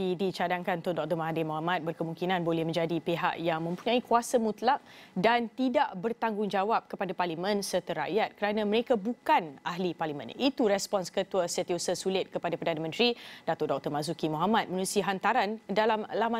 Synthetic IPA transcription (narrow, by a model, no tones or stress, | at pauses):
idit͡ʃadaŋkant̪ʊndɔk̚t̪ɔrmaɦadɪmoɦamat̪̚bərkəmuŋkinanbolɛhmə̃ɲd͡ʒadipeɦa̰ʔjaŋmə̃mpuɲãikuasamut̪lak̚dant̪idaʔbərt̪aŋɡʊŋd͡ʒawap̚kəpadaparlimə̃nsərt̪əɾa̰ʔjat̪̚kəɾanãməɾekabukanaɦliparlimə̰̃nit̪uɾɛspɔnskət̪uəsət̪iosəsulɪt̪̚kəpadapərdanamə̃nt̪ɾidat̪oʔdɔk̚t̪ɔrmas̬ukimoɦamat̪̚mənusiɦant̪aɾandalamlama